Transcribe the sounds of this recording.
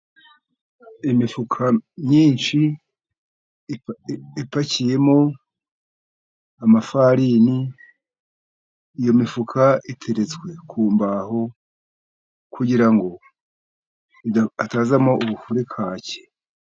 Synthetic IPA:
imifukʰamɲiːnʃi | ipacije̞mo̞ | amafaɾini | jo̞mifukʰaitʰe̞ɾet͡sɡwe̞kʰuːmbaɦo̞ | kuɟiɾaŋɡo̞ | iataːzamo̞ʔuβufuɾekʰaːce̥

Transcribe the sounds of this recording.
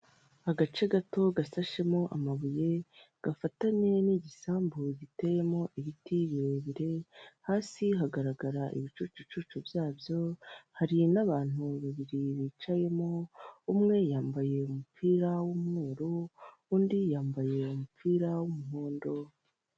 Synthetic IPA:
aɡat͡ʃe̞ɡato̞ɡasaʃe̞mo̞ʔa̰maβuje̞ɡ̥afataɲe̞niɟisaːmbuɟite̞je̞mo̞ʔiβitiβiɾeβiɾe̞haːsiɦaɡaɾaɡaɾaʔḭβit͡ʃuːt͡ʃut͡ʃut͡ʃubjaːbjo̞haɾinaβaːn̥uβaβiɾiβiːt͡ʃaje̞mo̞umŋe̞jaːmbaje̞umupʰiːɾawumŋuːɾo | uːndijaːmbaje̞umupʰiːɾawumuɦoːndo̞

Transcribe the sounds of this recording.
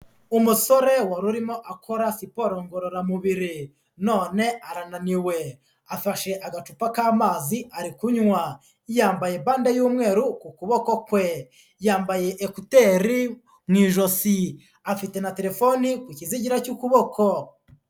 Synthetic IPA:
umuso̞ɾe̞waɾuɾimo̞ʔakʰo̞ɾasipo̞ɾoŋɡoɾoɾamuβiɾi | no̞ːne̞aɾananiwe̞ | afaʃe̞ʔaɡat͡ʃupakaːmaːziʔaɾikuɲŋwa | jaːmbajebaːndajuːmŋe̞ːɾukukuβo̞ko̞kwe̞ | jaːmbaje̞ʔːkute̞ɾi | mwiːʒo̞si | afite̞nate̞ɾe̞fo̞nikwiciziɟiɾacukuβo̞kʰo̞

